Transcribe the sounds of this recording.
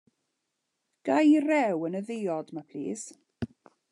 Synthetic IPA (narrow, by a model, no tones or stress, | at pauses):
ɡ̥ajrɛwənəðɪjɔdmapʰl̥ḭːs